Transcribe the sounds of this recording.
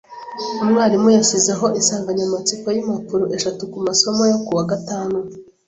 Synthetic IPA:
umŋaːɾimujasizeɦo̞ʔisaːŋɡaɲamat͡sikojimapuɾuʔe̞ʃatukumaso̞mojokuwaɡataːnu

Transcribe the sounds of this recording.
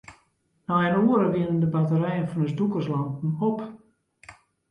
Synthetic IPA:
najənoəɾəʋiənəndəbatəɾɛjənfɔnəsdukərslantn̩op

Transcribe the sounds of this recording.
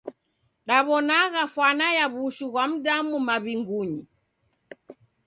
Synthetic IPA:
ɗaβɔnaɣafwanajaβuʃuɣwam̩ɗamumaβiŋɡuɲi

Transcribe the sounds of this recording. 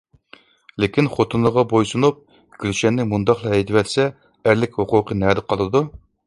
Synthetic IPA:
lekʲinχot̪ʰunləʁɑbojsunup̚ | ɡʲʰylʃɛnːɪmund̪ɑχlˠɑɛjt̪ɪwɛt̪sɛ | æɾlɪkʲhoqʊqʰənæd̪ɨqʰɑlˠɨd̪u

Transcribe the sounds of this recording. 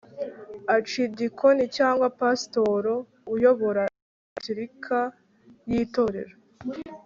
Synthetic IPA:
at͡ʃidikʰo̞nicaːŋɡwapasto̞ɾo | ujo̞βo̞ɾa | ciɾikʰa | jiːto̞ɾe̞̰ɾo

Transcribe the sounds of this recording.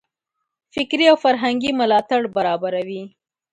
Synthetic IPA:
fɪkɾiawfaɾɦaŋɡimʊlɑt̪aɽbaɾɑbaɾawi

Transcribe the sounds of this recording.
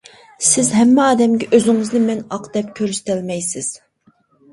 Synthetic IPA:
sɪzɦɛmːɛɑːd̪ɛmɡʲɛʔøzɪŋɨznɪmɛnɑqd̪̥ɛp̚kʲʰøɾst̪ʰɪlmɛjsɪz̥

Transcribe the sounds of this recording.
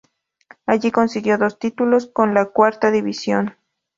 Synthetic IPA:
aʎikonsiɣjoðost̪it̪uloskonlakwaɾt̪aðiβisjon

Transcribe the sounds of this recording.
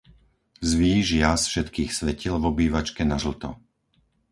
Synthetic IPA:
zʋiːʒɪasfʃɛt̪kiːxsʋɛcilvɔbiːʋat͡ʃkɛnaʒl̩t̪ɔ̰

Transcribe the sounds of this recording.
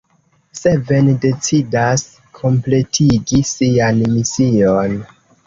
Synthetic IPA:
seve̞nde̞t͡sidas | kʰo̞mple̞tʰiɡisianmision

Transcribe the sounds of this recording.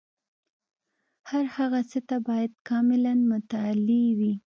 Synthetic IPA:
haɾhaɣasət̪abɑjad̪̚kɑmɪlanmʊt̪alewi

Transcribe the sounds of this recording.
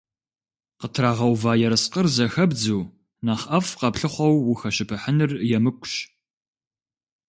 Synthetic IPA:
qətʰraːʁɐwvaːjɛɾɨsqərzɐxɐbd͡zuː | naːχʔɐfqɐpɬɨχʷɔwːʊxɐɕɪpʰɨħənɨrjɛmɨkʷʰʼʊɕ

